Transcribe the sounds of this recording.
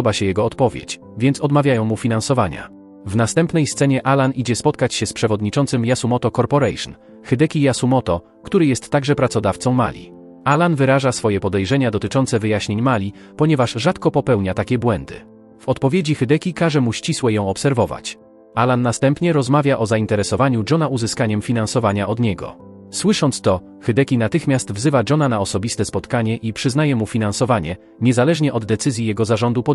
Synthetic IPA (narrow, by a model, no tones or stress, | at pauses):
ɔbaɕɛjɛɡɔːt̪pɔvʲjḛt͡ɕ | vʲjɛnt̪sɔd̪mavʲjajɔ̃w̃mufʲinansɔvaɲa̰ | vnast̪ɛmpnɛjst̪sɛɲɛʔalanʔid͡ʑɛspɔt̪kat͡ɕɕɛspʂɛvɔd̪ɲit͡ʂɔnt̪sɘmjasumɔt̪ɔkɔɾpɔɾɛjʂn | xɘd̪ɛkʲijasumɔt̪ɔ | kt̪uɾɘjɛst̪ːaɡʐɛpɾat̪sɔd̪aft̪sɔ̃w̃ma̰lʲḭ | ʔalanvɘɾaʐasfɔjɛpɔd̪ɛjʐɛɲad̪ɔt̪ɘt͡ʂɔntsɛvɘjaɕɲeɲmalʲi | pɔɲɛvaʐʐat̪kɔpɔpɛwɲat̪akʲɛbwɛnd̪ɘ̰ | v̥ɔt̪pɔvʲjed͡ʑixɛd̪ɛkʲikaʐɛmuɕt͡ɕiswɛjɔ̃w̃ɔpsɛɾvɔva̰t͡ɕ | ʔalanːast̪ɛmpɲɛɾɔzmavʲjaʔɔzaint̪ɛɾɛsɔvaɲud͡ʐɔnaʔuzɘskaɲɛmfʲinãnsɔvaɲaʔɔd̪ɲɛɡɔ̰ | swɘʂɔnt̪st̪ɔ | xɛd̪ɛkʲinat̪ɘxmʲjast̪vzɘvad͡ʐɔnanaɔsɔbʲist̪ɛspɔt̪kaɲɛʔipʂɘznajɛmufʲinansɔvaɲɛ̰ | ɲɛzalɛʐɲɛʔɔd̪ːɛt̪sɘzʲjijɛɡɔzaʐɔnd̪upɔ